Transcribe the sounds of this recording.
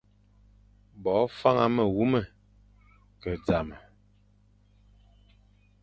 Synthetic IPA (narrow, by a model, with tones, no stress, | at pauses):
bɔ˨˦fa˦ŋa˨mə˨ɣu˦mə˦˨ | kə˨d͡za˨mə˨